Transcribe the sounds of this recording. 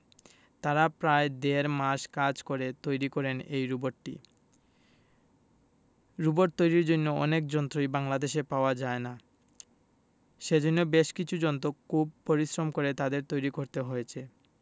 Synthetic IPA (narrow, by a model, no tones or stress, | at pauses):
t̪aɾapɾaed̪eɾmaʃkad͡ʑkoɾet̪ojɾikɔɾenejɾuboɾʈḭ | ɾuboɾ̚t̪ojɾiɾd͡ʑonːoɔ̰nek̚d͡ʑɔnt̪ɾojbaŋlad̪eʃepaoad͡ʑaena | ʃed͡ʑonːobeʃkit͡ɕʰud͡ʑɔnt̪okʰub̚poɾisɾomkoɾet̪ad̪eɾt̪ojɾikoɾt̪eɦojet͡ɕʰe